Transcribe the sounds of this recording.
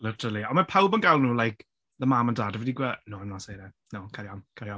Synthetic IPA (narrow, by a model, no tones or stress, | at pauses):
lɪtʰəlˠiɔmapʰawbənɡalˠnuːlˠajkʰ | ðəmaməndaːdəvidiɡwɛnoːamnasejɾɛ | nokʰaɾjamkʰaɾjɔ